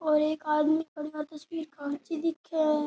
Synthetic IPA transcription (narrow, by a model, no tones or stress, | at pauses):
ɔːɾeːkaːd̪mẽkɐɽiaːɾt̪ɐswiːɾkat͡ʃid̪ɪkʰɛ